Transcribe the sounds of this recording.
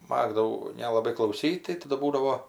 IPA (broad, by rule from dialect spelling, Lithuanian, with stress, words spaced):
ˈmɑːɡdɐʋɐʊ nʲɛlˠɐˈbɐɪ klˠɐʊˈsʲiːtʲ tɐɪ ˈtɑːdʊ ˈbuːdɐʋoː